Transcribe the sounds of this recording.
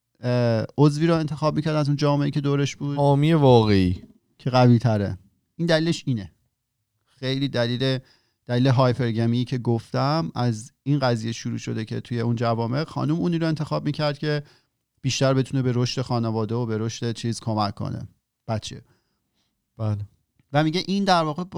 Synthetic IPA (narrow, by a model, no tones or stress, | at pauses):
ozviːɾɔe̞nt̪ʰe̞xɒːb̚miːcʰæɾd̪æzuːnd͡ʒɒːmeeicʰe̞d̪oːɾe̞ʃb̥uːd̪ɒːmijevɒːɣe̞iː | cʰe̞ɣæviːt̪ʰæɾḛ | iːnd̪æliːleʃiːne | xejliːd̪æliːle | d̪̥æliːleɦɒːjpʰe̞ɾɟæmiicʰe̞ɡoft̪æmæzinɢæziːjeʃuɾṵːʃo̞̰d̪e̞cʰe̞̰t̪ʰuje̞und͡ʒævɒːme̞xɒ̰ːnumuːniːɾoe̞nt̪ʰe̞xɒːb̚miːcʰæɾd̪̥̚cʰe | b̥iːʃt̪æɾbe̞t̪ʰune̞be̞ɾo̞ʃt̪e̞xɒːnevɒːd̪eobe̞ɾo̞ʃt̪e̞t͡ʃʰiːz̥kʰomæcʰːo̰nḛ | b̥æt̪t͡ʃʰḛ | b̥æːle | væmiɟeʔind̪æɾvɒːɣeb